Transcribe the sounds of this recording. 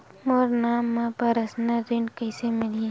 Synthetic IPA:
moːɾnamːãpɐɾɐsnaɾɪ̃ɳkəɪsemɪlĩ

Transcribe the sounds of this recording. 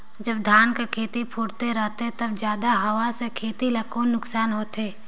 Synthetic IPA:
d͡ʒəb̚d̪ʱaːnkekʰeːt̪ipʰʊːɽt̪eɾɛɦt̪et̪əbd͡ʒjaːd̪aɦɐwasekʰeːt̪ilɐkoːnːʊksaːnɦoːt̪eː

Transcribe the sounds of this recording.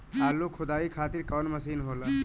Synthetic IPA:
t̪aːlːukʰʊd̪aːikʰaːt̪iɾkɔːnməsiːnɦoːlaː

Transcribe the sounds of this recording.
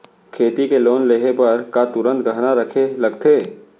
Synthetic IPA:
kʰeːt̪ikeloːnleɦepɐɾkat̪ʊɾə̃nt̪̚ɡəɦnaɾəkʰelɐɡt̪ʰeː

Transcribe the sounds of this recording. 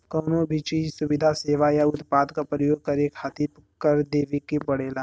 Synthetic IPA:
kɔːnobʱit͡ʃiːd͡ʒsʊʋɪd̪ʱaseːʋajaʊt̪paːd̪kapɾəjoːɡ̚kɐɾekʰaːt̪ikɐɾd̪eːʋikipɐɽeːlaː

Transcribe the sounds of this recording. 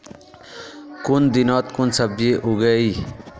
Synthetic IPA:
kund̪inoːt̪kunsɐbjeʔuɡɐi

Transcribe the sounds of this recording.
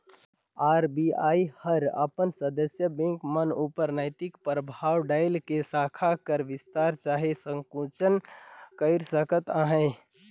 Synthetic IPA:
aɾbiaːihəɾə̰pənsəd̪əsjəbɛ̃ŋkmənupəɾnəɪt̪ɪkpɾəbʱawɖaɪlkesakʰakəɾʋɪst̪aɾt͡ʃaɦesə̃ŋkũt͡ʃənkəɪɾsəkət̪aɦə̃ɪ

